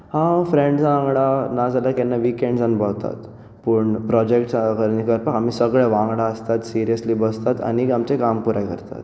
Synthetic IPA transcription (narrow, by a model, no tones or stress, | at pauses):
hãfɾẽɳɖd͡zʋãŋɡɽanad͡zalakɛnːaʋikeɳɖd͡zanbəɦt̪a̰t̪ | pəɳpɾɔd͡ʑekʈkəɾnikəɾpakam̤iːsəɡɭaʋãŋɡɽaəst̪at̪siɾijəsliːbəst̪at̪a̰niamt͡ɕekampuɾãkəɾt̪a̰t̪